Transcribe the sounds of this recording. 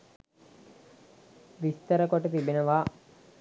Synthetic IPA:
ʋist̪ɐɾəkoʈət̪ibenəʋaː

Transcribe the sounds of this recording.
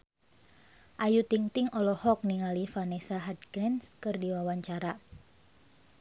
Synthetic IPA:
ʔajut̪iŋt̪ɪŋɔlɔhɔk̚niŋalifanesaɦad̪̚ɡɾɛnskərdiwawaɲt͡ʃaɾa

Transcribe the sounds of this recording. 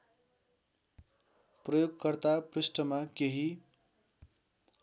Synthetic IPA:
prʌjoɡ̚kʌrt̪aprisʈʌmakeɦi

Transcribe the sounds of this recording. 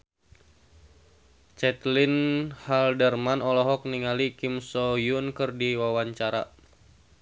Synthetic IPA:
t͡ʃɛt̪linhaldərmanɔlɔɦɔk̚niŋalikimsɔjunkɨrdiwawaɲt͡ʃaɾa̰

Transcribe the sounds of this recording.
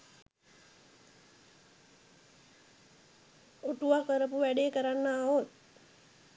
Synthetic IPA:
oʈuʋakʋəɾəp̬uʋæɖekəɾanːaːot̪̚

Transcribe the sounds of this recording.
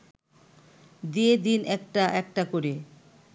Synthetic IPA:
d̪ied̪inʔɛk̚ʈaʔɛk̚ʈakoɾe

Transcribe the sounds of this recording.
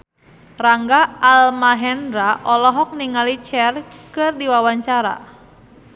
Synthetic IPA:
raŋɡaːlmaɦɛnɾaʔɔlɔɦɔk̚niŋalit͡ʃɛrkɨrdiwawaɲt͡ʃaɾa̰

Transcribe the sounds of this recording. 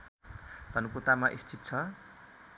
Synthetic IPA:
t̪ʌnukut̪amaʔist͡ʃʰit̪̚ːt͡sʰʌ

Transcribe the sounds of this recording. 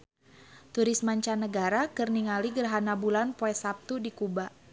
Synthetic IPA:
t̪uɾismaɲt͡ʃanəɡaɾakərniŋaliɡərɦanabulanpoɛsap̚t̪udikubaʔ

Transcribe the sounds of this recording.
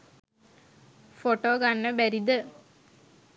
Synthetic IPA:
foʈoːɡanːəbæɾid̪ə

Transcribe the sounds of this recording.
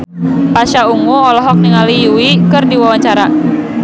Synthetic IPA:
paʃauŋuɔlɔɦɔk̚niŋalijuwikɨrdiwawaɲt͡ʃaɾa

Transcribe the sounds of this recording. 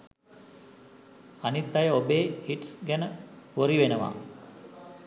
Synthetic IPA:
anit̪d̪ajəobeːhiʈsɡænəʋoɾiʋenəʋa̰ː

